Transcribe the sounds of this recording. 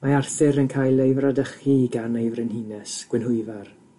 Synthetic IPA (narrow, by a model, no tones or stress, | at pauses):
maarθɨɾənkʰaːjlˠejvradəχiɡanejvrɪnhiːnɛsɡ̥wɪnɦʊɨvar